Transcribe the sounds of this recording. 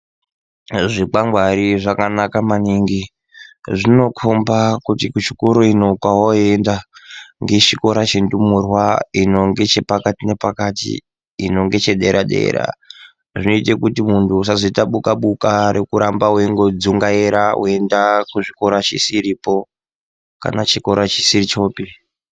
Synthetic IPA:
ʐik͡paŋɡwaɾiʐakanakamaniŋɡi | ʐino̞kʰombakutikut͡ʃi̥koɾoino̞kwawoe̞ndaŋɡe̞t͡ʃiko̞ɾat͡ʃendumurwaino̞ŋɡe̞t͡ʃe̞pakatine̞pakatḭː | no̞ŋɡe̞t͡ʃe̞ɗeɾʔaɗe̞̰ːɾa̰ | ʐino̞itekutimuntʰusazoitaɓukaɓukaɾekuɾambaweiŋɡo̞d͡zuŋɡaeɾawo̰e̞ndakuʐiko̞ɾat͡ʃisiɾipo̞ | ka̰nat͡ʃiko̞ɾat͡ʃi̥sirit͡ʃo̞ːpi

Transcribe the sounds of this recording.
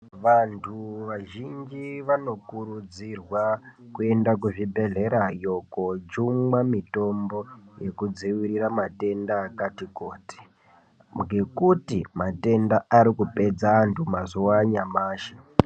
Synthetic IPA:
ʋantʰuʋaʒind͡ʒiʋano̞kuɾud͡zirwakue̞ndakuʐibʱe̞ɮe̞ɾajo̞kod͡ʒuŋɡwamito̞mbo̞je̞kud͡ziwiriramate̞ndaːkatikoːti̥ | ŋɡe̞kutimate̞ndaaɾikupe̞d͡zaːntʰumazuwaɲamaːʃe

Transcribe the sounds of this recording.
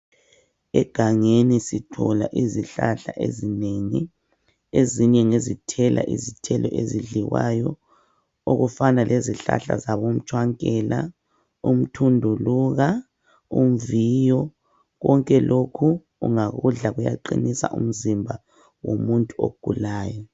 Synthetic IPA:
ɛɡ̥ʱaŋenisitʰɔlaʔiziɬaɬaʔezineːŋi | eziɲɛŋezitʰɛlʔa̰ʔizitʰɛlʔɔʔeziɮiwajɔ | oɣufanalʔeziɬa̰ɬa̰zaβom̩t͡ʃʰʼwaŋkʼɛla | um̩tʰundʱuluɣa | um̩viːjɔ | ɣɔŋkʼɛlʔokʰu | ṵŋaɣuɮaɣuja̰ǃinisa̰ʔum̩zimbʱa | womuntʼuo̰ɡ̥ʱulaːjɔ

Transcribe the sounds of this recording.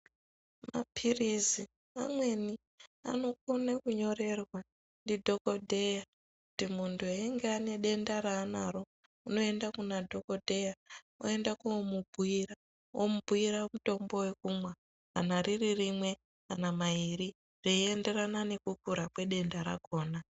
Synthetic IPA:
ma̰pʰirizi | a̰mwe̞ni | a̰no̞konakuɲo̞re̞rwa | ndidʱo̞ko̞dʱe̞ja | kutimuntʰuaiŋɡeane̞ɗe̞ndaɾaːnaɾo̞ | uno̞e̞ndakunadʱo̞ko̞dʱe̞ja | o̰e̞ndakumubʱuira | o̰mubʱuiɾamuto̞mbo̞we̞kumwa | anariririmwe̞ | anamaiɾi | reiende̞ranane̞kukuɾakwe̞ɗe̞ndaɾa̰ko̞ːna

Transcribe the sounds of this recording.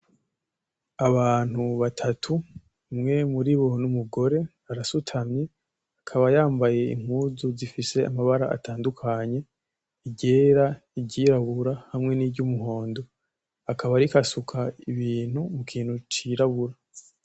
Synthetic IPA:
aβaːn̥huβatʰatʰu | mŋe̞muɾiβo̞numuɡo̞ɾe̞ | aɾasutʰamɲe | akʰaβajaːmbaje̞ḭŋ̥huːzuzifise̞amaβaɾa̰ʔa̰taːndukʰaɲe̞ | iɟe̞ɾa | iɟɟiːɾaβuɾahamŋe̞nibɟumuɦo̞ːndo̞ | akʰaβaɾikasukʰaiβiːn̥humukʰiːn̥hut͡ʃiɾaβuɾa

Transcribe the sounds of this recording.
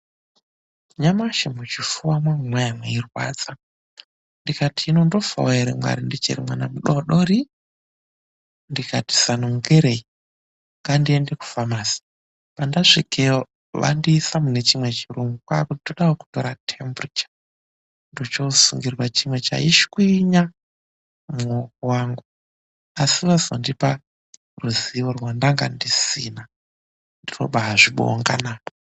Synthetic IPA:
ɲamaʃemut͡ʃifuwamwaŋwajamweirwa̰ːd͡za | ndikatʰiːnondofo̰weɾḛmwa̰ɾindit͡ʃḛɾimwanamuɗoɗoɾi | ndikʰati̥sanoŋɡeɾei | ŋɡandiendeku̥famaːsi̥ | pandaʂikeo | ʋa̰ndiːsamune̞t͡ʃimwe̞t͡ʃiroŋɡukwakutitoɗawoku̥to̞̰ɾatʰembrit͡ʃḁ | ndot͡ʃosuŋɡirwat͡ʃimwe̞t͡ʃa̰iʃkwiɲa | muokowaːŋɡu | asiʋazondipa | ruziʋorwandaŋɡa̰ndisina | ndiro̰ɓaɦaʐiɓo̰ŋɡa̰naːpo

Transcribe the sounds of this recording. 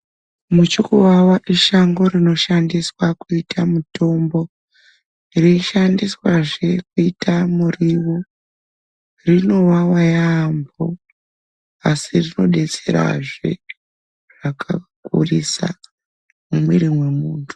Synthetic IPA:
mut͡ʃukuwawaʔiʃaŋɡo̞rino̞ʃandiswakuitʰamuto̞mbo̞ | riiʃandiswaʐe̞kuitamuriwo | rino̞wawajaːmbo | asirino̞ɗe̞t͡se̞ɾa̰ʐe̞̰ | ʐ̥akʰakṵrisa̰ | mumiɾimwe̞muːntʰu̥

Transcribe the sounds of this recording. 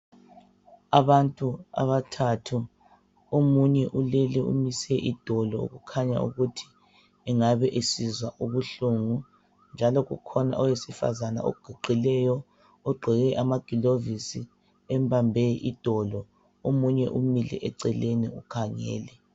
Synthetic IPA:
aβantʼua̰βatʰatʰu | omuɲɛʔulɛlɛṵmisɛʔid̥ʱɔlɔṵɣukʰaɲa̰ṵɣutʰi̥ | ɛŋaβɛʔesizwaʔuβuɬuŋu | nd͡ʒʱalɔɣṵkʰɔna̰ʔɔwesifa̰zana̰o̰ɡ̥ʱuǃʱilɛjɔ | ɔɡ͡ǃʱɛɣɛʔamaɡ̥ʱilovisi | ɛmbʱambʱɛʔid̥ʱɔlɔ | omuɲɛ̰ʔumilɛ̰ʔɛǀɛleniukʰaŋɛ̰ːlɛ

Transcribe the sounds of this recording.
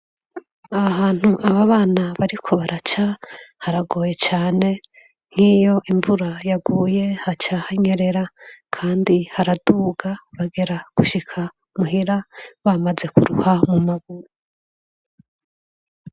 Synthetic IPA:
aaɦaːn̥huʔaβaβaːnaβaɾikʰo̞βaɾʔat͡ʃahaɾaɡo̞ːje̞t͡ʃaːne̞ | ŋ̥hiːjo̞ʔiɱvuɾajaɡuːje̞hat͡ʃahaɲe̞ɾe̞ɾakʰaːndihaɾaduːɡaβaɡe̞ɾaɡ̥uʃikʰa | muɦiɾaβamaze̞kuɾṵhamumaɡuɾu

